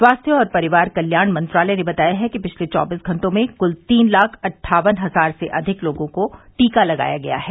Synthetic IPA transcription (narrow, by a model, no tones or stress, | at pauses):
swaːst̪ʰjəɔːɾpɐɾɪʋaːɾkɐljaːɽmɐ̃nt̪ɾaːləjnebɐt̪aːjaɦɛkipɪt͡ʃʰlet͡ʃɔ̰ːbiːsɡʱɐ̃ɳʈõmẽkʊlt̪iːnlaːkʰɐʈʰːaːʋənɦɐzaːɾseʔɐd̪ʱɪkloːɡõkoʈiːkalɐɡa̰ːjaɡɐja̰ɦɛː